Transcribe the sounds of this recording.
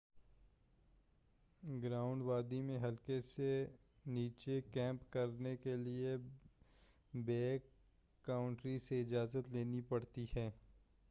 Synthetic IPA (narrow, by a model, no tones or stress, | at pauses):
ɡɾaːʊ̃ɳɖʋaːd̪imẽɦɐlkese | niːt͡ʃekɛ̃ːmpkɐɾnekelie | beːkː | aːʊ̃ɳʈɾiseɪd͡ʒaːzət̪leːnipɐɽt̪ihɛː